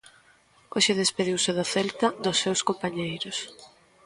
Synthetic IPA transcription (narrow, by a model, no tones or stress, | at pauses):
oʃeðespeðiwsɪðoθɛlt̪ɐd̪ʊsːewskompaɲejɾʊs